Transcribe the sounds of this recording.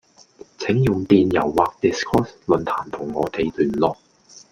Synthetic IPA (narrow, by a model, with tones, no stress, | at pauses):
t͡sʰe˨˥ŋjʊ˨ŋt̪iː˨njɐ̰˨˩wːaː˨k̚t̪i˨˩skʰɔː˥slɵ˨˧nt̪ʰaː˨˩nt̪ʰʊ˨˩ŋːɔː˨˧t̪e˨˧jt̪yː˨˩nlɔː˨k̚